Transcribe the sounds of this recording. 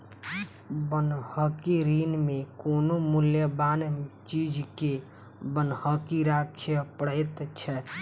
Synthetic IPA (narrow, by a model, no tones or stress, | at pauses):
bənɦəkiɾinmekonomuljəbant͡ʃid͡ʒke | bənɦəkiɾakʰjəpəɽət̪t͡ʃʰɛ